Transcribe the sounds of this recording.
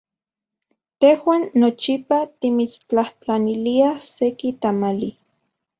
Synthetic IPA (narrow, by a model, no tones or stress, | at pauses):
t̪ehwaːnːot͡ʃipat̪imit͡st͡ɬaht͡ɬaniliasekit̪amali